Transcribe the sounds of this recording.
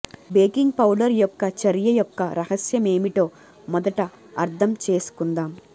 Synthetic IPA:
beːkiŋɡpɐwɖɐɾjɔkːɐt͡ʃɐɾjɐjɔkːɐɾɐhɐsjɐme̞ːmiʈo̞ː | mɔd̪ɐʈɐ | ɐɾt̪ʰɐmt͡ʃe̞ːsu̥kund̪aːm

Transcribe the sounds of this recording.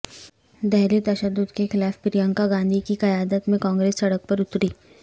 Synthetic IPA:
d̪ɛɦlit̪ɐʃəd̪ːʊd̪kexɪlaːfpɪɾijə̃ŋkaɡãːnd̪ʱikikɐjaːd̪ət̪mẽkɔ̃ːŋɡɾeːsːɐɽək̚pɐɾʊt̪ɾiː

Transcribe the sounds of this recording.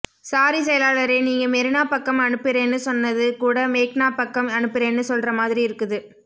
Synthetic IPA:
saːɾisɛjɐlaːlɐɾeːniːŋɡɐmɛɾɯnaːpɐkːɐmɐɳɯpːɪɾɐnːɯsɔnːɐðɯkuːɽɐmeːknaːpɐkːɐmɐɳɯpːɪɾɐɛnːɯsɔlrɐmaːðɪɾiɪɾɯkːɯðɯ

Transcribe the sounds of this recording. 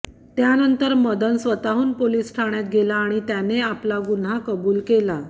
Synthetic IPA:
t̪janənt̪əɾməd̪ənsʋət̪aɦuːnpoliːsʈʰaɳjat̪̚ɡelaːɽ̃it̪janeaplaɡun̤ɦakəbuːlkela

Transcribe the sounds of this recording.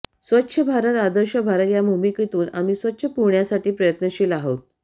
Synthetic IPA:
sʋətːɕʰəbʱaɾət̪ad̪əɾɕəbʱaɾət̪jabʱumikit̪uːna̰miːsʋətːɕʰəpuɾɳjasaʈiːpɾəjət̪nəɕiːlaɦot̪̚

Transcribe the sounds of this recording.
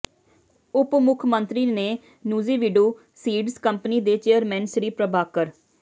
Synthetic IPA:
ʊpmʊkʰmənt̪ɾiːneː | nuːziːʋɪɖoː | siːɖzkəmpniːd̪eːt͡ʃeːəɾmɛ̃ːnsɾiːpɾəbaːkəɾ

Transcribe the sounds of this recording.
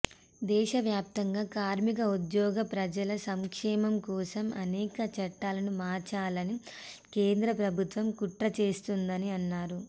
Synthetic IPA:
d̪ɛːʃɐʋjaːp̚t̪ɐŋɡaːkaːɾmikɐud̪jɔːɡɐpɾɐd͡ʒɐlɐsɐŋkʂɛːmɐmkɔːsɐmʔɐ̰nɛːkɐt͡ʃɐʈːaːlɐnumaːɾt͡ʃaːlɐnikeːnd̪ɾɐpɾɐbʱut̪ʋɐmkuʈɾɐt͡ʃe̞ːst̪und̪ɐniɐnːaːɾu

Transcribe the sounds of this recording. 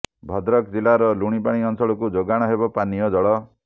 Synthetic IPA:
bʱɔd̪ɾɔkd͡ʒilaɾɔluɽ̃ipaɽ̃iɔnsɔɭɔkud͡ʒoɡaɽ̃ɔɦebɔpanijɔd͡ʒɔɭɔ

